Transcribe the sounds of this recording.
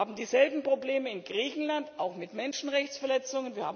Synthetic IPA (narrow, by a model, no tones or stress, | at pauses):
aːbm̩diːzɛlbm̩pʁ̥obleːməɪnɡʁiːçn̩lantaʊxmɪtmɛnʃn̩ʁɛçt͡sfɛɐlɛt͡sʊŋənviːɐhaː